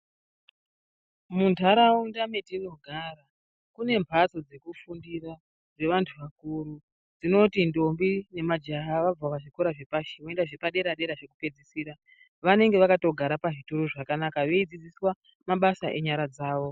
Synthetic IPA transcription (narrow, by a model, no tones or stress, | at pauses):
muntʰaɾaundame̞tino̞ɡʱaɾa | kune̞mbʱat͡so̞d͡ze̞kufundira | d͡ze̞ʋantʰuʋakuɾu | d͡zino̞tindo̞mbine̞mad͡ʒaɦaʋab͡vawaʐikoɾaʐepaʃiwoendaʐepaɗe̞ɾaɗe̞ɾaʐe̞kupe̞d͡zisiːɾa | ʋane̞ŋɡe̞ʋakato̞ɡʱaɾapaʐituɾoʐakanakaʋe̞id͡zid͡ziswa | maɓasaʔe̞ɲaɾad͡zaːʋo̞